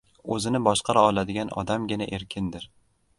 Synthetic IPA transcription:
ɵzɪnɪbɒʃqɑɾaɒlˠad̪ɪɡʲanɒ̰d̪amɡʲɪnaʔeɾkʲʰɪnd̪ɪɾ

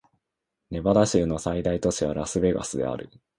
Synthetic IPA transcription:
ne̞bad̪aɕɨːno̞said̪ait̪o̞ɕiβ̞a̰ɾasɨbe̞ɡa̰sɨd̪e̞̰a̰ɾɯ̟

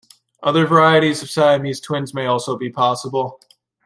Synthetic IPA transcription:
ʔʌðə˞və˞aɪɨɾizʌv̥saɪɨmiz̥tʰw̥ɪ̃nzmeɪɔlˠsoʊbipʰɑsəbl̩ˠ

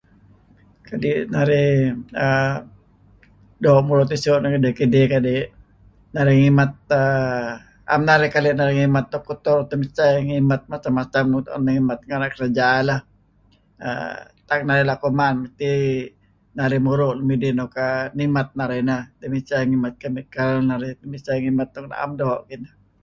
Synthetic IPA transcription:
kadinaɾiə | domuɾʊt̪isoʔnakədekədekadiʔ | naɾiŋimat̪̚ə | a̰mnaɾikaleʔnaɾiŋimat̪ːɔkut̪ɔrt̪əmit͡ʃaŋimat̪̚mat͡ʃamːat͡ʃamt̪naŋimat̪̚ŋanakəɾad͡ʒaːlah | ə̰t̪ak̚naɾilakomanməst̪i | naɾimuɾʊʔlumidinokanimat̪̚naɾinat̪əmit͡ʃaŋimat̪̚kamikalnaɾit̪əmit͡ʃaŋimat̪ːɔk̚na̰a̰mdoʔkina

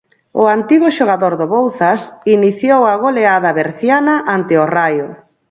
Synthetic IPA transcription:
ʊant̪iɣʊʃoɣaðoɾðoβowθasiniθjowaɣ̞oleaðɐβeɾθjanaʔant̪ɪorajʊ

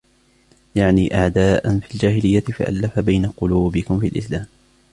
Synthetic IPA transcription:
jaʕniːʔaʕd̪aːʔanfild͡ʒaːhɪlɪjːat̪ɪfa̰ʔa̰lːafabajnaqʊluːbɪkʊmfialʔɪ̰slaːm

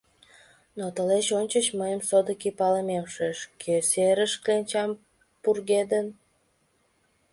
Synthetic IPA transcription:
not̪əleɕonʲt͡ɕət͡ɕməjəmsod̪əkipɑləmemʃeʃkʰeseɾəʃkenʲt͡ɕɑm | purɣed̪ən

